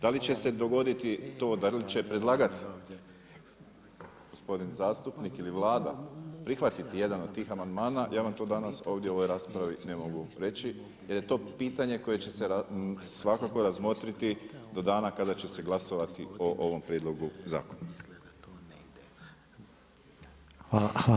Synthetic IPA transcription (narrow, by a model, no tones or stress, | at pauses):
d̪alit͡ɕe̞se̞d̪o̞ɡo̞d̪it̪it̪o̞ːd̪alit͡ʃe̞pɾe̞d̪lˠaːɡat̪i̥ | ɡ̥ospo̞d̪inzaːst̪upnikiliʋlˠaːd̪a̰pɾixʋat̪it̪ije̞d̪ano̞d̪̚t̪ːiːxamand̪maːnajʔaːʋamt̪o̞d̪anaso̞ːʋd̪je̞o̞ʋo̞jɾaːspɾaʋine̞mo̞ɡuɾe̞t͡ʃi | je̞ɾje̞t̪o̞ːpiːt̪aɲe̞ko̞je̞t͡ɕe̞seɾasʋakako̞ɾazmo̞t̪ɾit̪id̪o̞d̪aːnakad̪at͡ɕe̞se̞ɡlˠaso̞ʋat̪io̞ʔo̞ʋo̞mpɾjed̪lo̞ɡuza̰ːkona